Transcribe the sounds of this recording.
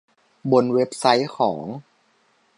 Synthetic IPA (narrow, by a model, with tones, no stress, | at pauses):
bo˧nwe˦˥p̚sa˦˥jkʰɔː˩˦ŋ